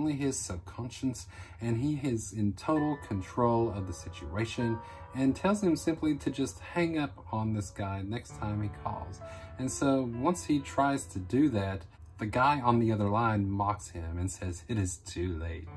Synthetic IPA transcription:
nliɪz̥sɛlˠvkʰɑ̃nʃɨ̃n̩sɨ̃niɪzɪ̃ntʰoʊɾl̩ˠkʰɨ̃n̩tʰɹ̥oʊlˠʌvðɨsɪt͡ʃʉ̰eɪʃɨ̃n | ɨ̃ntʰɛlˠz̥ɨ̃msɪ̃mpliɾɨd͡ʒʌst̚hæ̃ŋʌp | n̩ðɪsɡ̥aɪnɛkstʰãɪ̃mikʰɔ̰lˠz̥ɨ̃nsoʊwʌ̃nshitʰɹ̥aɪz̥tʰɨdɨðæt̪̚ | ðɨɡaɪə̃nðiʌðə˞lãɪ̃nmɑkshɪ̃mɨ̃nsɛz̥ɨɾɨz̥tʰʉleɪt̚

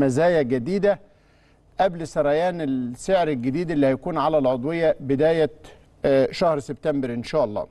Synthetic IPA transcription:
mæzæːjæɡæd̪iːd̪æ | ʔæblsɑɾˤæjæːnelseʕɾelɡɪd̪iːd̪elːihæjækuːnʕalælʕod̪ˤwɪjːæbɪd̪æːjæ | ʃæhɾseb̚t̪æmbɾʔɪnʃæːʔɑlˤːɑ̰ː

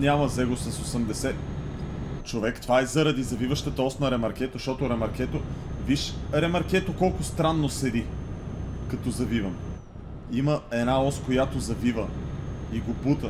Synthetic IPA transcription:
nʲamɐzɛɡosɐsosɐmd̪ɛsɛ | t͡ʃovɛkt̪vaɛzɐɾɐd̪izɐvivəʃt̪ət̪əɔsnɐɾɛmɐɾk̟ɛt̪oʃt̪ɔt̪oɾɛmɐɾkʲɛt̪oviʃɾɛmɐɾkɛt̪okɔlˠkʊst̪ɾanːosɛd̪i | kɐt̪ɔzɐvivɐm | iməɛnaɔskojat̪ozɐvivəiɡoput̪ə

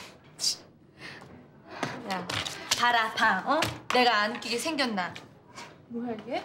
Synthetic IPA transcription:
japaɾapaʌne̞ɡaːnk͈iɡesʰe̞ŋɡjʌnːa | ɡe

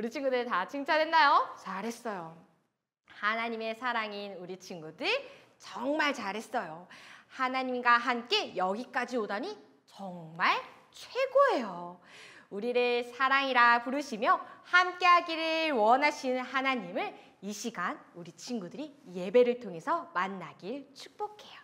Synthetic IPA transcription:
uɾit͡ɕʰinŋɡudɯɭtat͡ɕʰiŋt͡ɕʰadwenːajot͡ɕaɾɦe̞s͈ʌjo | hanaɲime̞sʰaɾaŋinuɾit͡ɕʰinɡudɯɭ | t͡ɕʌŋmaɭt͡ɕaɾɦe̞s͈ʌjohanaɲimɡwaɦamk͈e̞jʌɡik͈ad͡ʑiodaɲi | t͡ɕʌŋmaɭ | t͡ɕʰwe̞ɡoɦe̞jo | uɾiɾesʰaɾaŋiɾapuɾɯɕʰimjʌhamk͈e̞ɦaɡiɾɯwʌnaɕʰinhanaɲimɯɭ | iɕʰiɡanuɾit͡ɕʰinɡudɯɾije̞be̞ɾɯɭtʰoŋɦe̞sʰʌmanːaɡiɭt͡ɕʰu̥k̚p͈okʰe̞jo̥

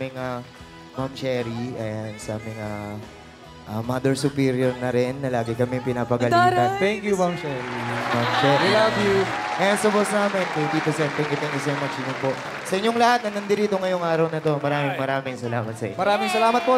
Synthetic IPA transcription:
mɪŋa | mamt͡ʃɛɾiʔɐɛjansɐʔɐmɐŋa | ʔɐmad̪ɛɹsʊpiːɾjoɹnɐɾɛnːɐlaːɡɪkɐmɛŋpɪnaːpɐɡɐlant̪ɛŋkjumamt͡ʃɛɾimamt͡ʃɛɾilavjuʔɐjansɐbosnaːmɛnkɐd̪it̪ʊsɛnt̪ɛŋkut̪ɛŋkjusowmat͡ʃj̪ʊnpo̞ʔ | sɐʔɪɲːoŋlɐhat̪̚nɐŋɐnd̪ɪɾiːt̪o̞ŋɐjoŋaːɾɐwnɐt̪o̞mɐɾaːmɪŋmɐɾaːmɪŋsɐlaːmɐt̪̚sɐʔɪ̰ɲmɐɾaːmɪŋsɐlaːmɐt̪̚po

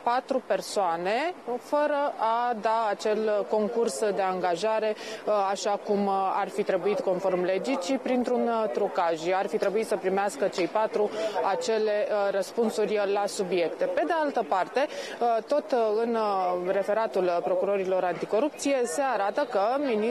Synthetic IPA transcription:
pat̪ɾupe̞rsoane̞fəɾəʔad̪aat͡ʃe̞lko̞ŋkursd̪e̞aŋɡaʒaɾe̞aʃakumarfit̪ɾe̞buit̪ko̞nfo̞rmle̞d͡ʒit̪t͡ʃipɾint̪ɾunt̪ɾukaʒarfit̪ɾe̞buit̪səpɾimeaskət͡ʃe̞jpat̪ɾuat͡ʃe̞le̞rəspunsurʲlasubje̞kt̪e̞pe̞d̪e̞alt̪əpart̪e̞t̪o̞t̪ɨnre̞fe̞ɾat̪ulpɾo̞kuɾo̞ɾilo̞ɾant̪iko̞ɾup̚t̪sije̞se̞aɾat̪əkəmin

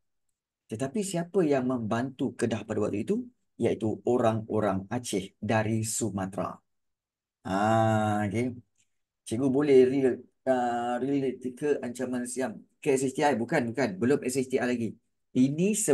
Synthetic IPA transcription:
t̪ət̪apisiapəjaŋmə̃mbant̪ukədahpadawak̚t̪uit̪u | jait̪uoɾaŋoɾaŋat͡ʃɪhdaɾisumat̪ɾa̰ | ʔa | ke | t͡ʃəɡubolɛhri | əɾilit̪ikəʔaɲt͡ʃamansiamkəɛs̬ɛst̪iajbukanbukanbəlomʔɛsɛst̪iajlaɡi | inĩsə

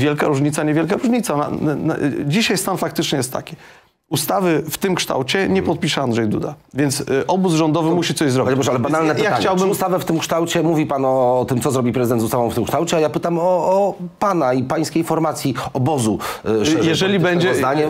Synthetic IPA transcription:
vʲjɛlkaɾuʐɲit̪saɲɛvʲjɛlkaɾuʐɲit̪sana̰ | d͡ʑiɕajst̪anfak̚t̪ɘt͡ʂɲɛjɛst̪ːa̰kʲi̥ | ust̪avɘft̪ɘmkʂt̪a̰wt͡ɕɛɲɛpɔt̪̚pʲiʂɛand̪ʐɛjd̪ṵd̪avʲjɛnt̪sʔɔbuzʐɔnd̪ɔvɘmuɕit̪sɔʑzɾɔbʲbɔʂalɛbanalnɛpjaxaɲt͡ɕawbɘmust̪avɛft̪ɘmkʂt̪awt͡ɕɛmuvʲipanɔɔt̪ɘmt̪sɔzɾɔbʲipɾɛzɘd̪ɛnzust̪avɔ̃w̃ft̪ɘmkʂt̪awt͡ɕɛajapɘt̪amɔɔpanaipaj̃skʲejnfɔɾmat̪sʲjiɔbɔzuʐjɛʐɛlʲibɛɲd͡ʑɛnaɲɛ

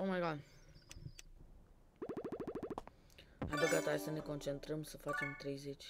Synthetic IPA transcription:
omaɡal | ad̪eɡat̪aesəne̞ko̞nt͡ʃe̞nt̪ɾəmsəfat͡ʃe̞mt̪ɾe̞jze̞t͡ʃʲ

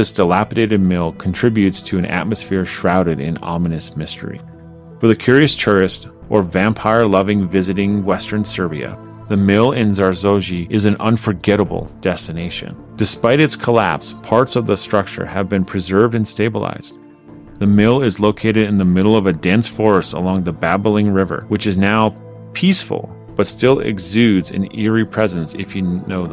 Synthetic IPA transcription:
ɪsd̥əlæpɨɾeɪɾɨd̚mɪlˠkʰn̩tʰɹ̥ɪbjʉtstʰɨɨ̃nʔæ̰t̚mɨsfɪɹʃɹaʊɾɨɾɪ̰̃nɑ̰mɨnɨsmɪstʰə̰˞ḭ | fə˞ðɨkʰj̥ʊɹiɨstʰʊɹɨst | ʔə˞væ̃mpʰaɪə˞lʌvɪ̃ŋvɪzɨɾɪ̃ŋwɛstə̃˞nsɜ˞biɨ̰ | ðɨmɪlˠɪ̃nzɑɹzoʊʒiʔɨzɨ̃nʔʌ̰̃nfə˞ɡɛɾəbl̩ˠd̥ɛstɨneɪʃɨ̰̃n | d̥ɨspaɪɾɨtskʰəlæ̰pspʰɑɹtsʌvðəstɹ̥ʌk̚t͡ʃə̰˞ɨvbɨ̃npʰɹ̥ɨzɜ˞vdɨ̃nsteɪbəlˠa̰ɪz̥ | ðɨmɪlˠɪzloʊkʰeɪɾɨɾɨ̃nðɨmɪɾl̩ˠʌvɨdɛ̃nsfɔɹɨstə̰lɔ̃ŋðɨbæbl̩ˠɪ̃ŋɹɪvə̰˞wɨt͡ʃɨznaʊ | pʰisfl̩ˠ | b̥ʌtstɪlˠɪ̰ɡzʉdzɨ̰̃nɪɹipʰɹ̥ɛzɨ̃nsɪ̰fjɨnoʊ

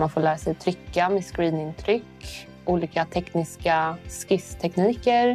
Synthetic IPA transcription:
manfoːlæːɾasɛjt̪ʰɾʏkːameːskɾiːnɪnt̪ʰɾʏkː | ʔuːliːkat̪ʰɛknɪskaskɪst̪ʰɛkniːkəɾ

